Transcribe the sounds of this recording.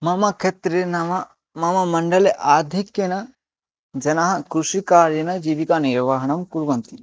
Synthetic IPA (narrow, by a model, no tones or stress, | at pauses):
mɐmɐkʰet̪ɾenɐmɐ | mɐmɐmɐɳɖɐleʔaːd̪ʱikjɐnɐ | d͡ʒɐnɐɦɐ̆kɾuʂikaːɾjɐnɐd͡ʒiːʋikaniɾʋɐɦɐɳɐmkuɾʋɐnt̪i